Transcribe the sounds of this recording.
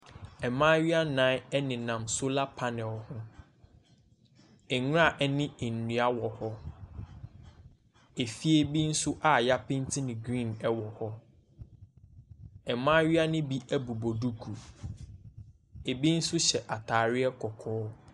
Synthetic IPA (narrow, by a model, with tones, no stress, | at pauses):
ɛ˨mãː˦ɥi˦a˦nã˨˦ɛ˦nɪ̃˨nã˨msʊ˦la˦pʰa˦nɛ̃˨hʊ̃˦ | ɛ˨˦ŋʊ˦a˦˨ʔɛ˦nɪ̃˦e˨n̩˨nũ˨a˦wɔ˨hɔ˦ | e˨fi˦e˦bi˦n̩˦sʊ˦ʔa˨ja˦pʰɪ̃˦n˦tʰɪ˦nɪ̃˨ɡɾĩ˦˨nɛ˦wɔ˨hɔ˦ | ɛ˨mãː˦ɥi˦a˦nɪ̃˦bi˦æ˦bu˨bo˨du˦kʰu˨ | e˨bi˦n̩˦sʊ˦ɕɛ˨ʔa˨tʰaː˨ɾɪ˦ɛ˦kʰɔ˨kʰɔː˦